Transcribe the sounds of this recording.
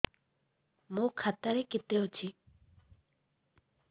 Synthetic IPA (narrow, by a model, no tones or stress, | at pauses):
mokʰat̪ːaɾeket̪ːeɦot͡ɕʰi